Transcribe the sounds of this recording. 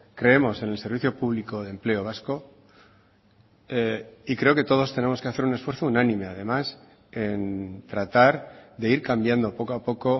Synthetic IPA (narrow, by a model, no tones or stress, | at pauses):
kɾe̞e̞mo̞se̞nelse̞ɾβiθjo̞puβ̞liko̞ð̞emple̞oβ̞asko̞ | eikɾe̞oke̞t̪o̞ð̞o̞st̪e̞ne̞mo̞ske̞aθe̞ɾune̞sfweɾθounanĩme̞að̞e̞mas | e̞nt̪ɾat̪aɾðe̞iɾkambjand̪o̞po̞koapo̞ko̞